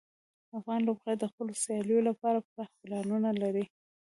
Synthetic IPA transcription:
afɣɑnlobɣad̪əxpəlosjɑljolapɑɾapɾahpəlɑnunalaɾi

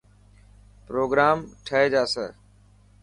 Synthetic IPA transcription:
pɾoːɡɾaːmʈʰəɦeːd͡ʒaːsəː

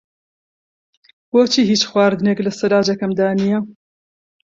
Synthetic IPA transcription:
woːt͡ʃʰiːɦiːt͡ʃxwaːɾd̪ɨneklɨsɐlaːd͡ʒɛkɐmd̪aːnijɛ

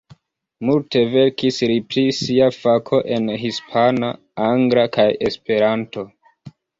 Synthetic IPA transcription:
multe̞ve̞ɾkisɾipɾisiafakʰo̞ʔe̞nɦispʰana | aŋɡɾakaje̞spe̞ɾanto̞

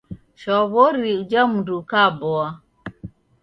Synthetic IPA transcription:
ʃɔβɔɾiud͡ʒamudukabɔa

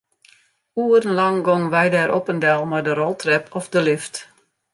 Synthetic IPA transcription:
uːərən̩lɑŋɡɔŋʋɛjdɛːɾʔopəndɛlˠmardəɾɔlˠtrɛpʰɔfdəlɪft

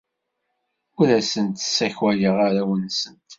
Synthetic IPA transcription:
ʊɾæsənt̪sːæçwæjəʁaɾawənːsənt̪

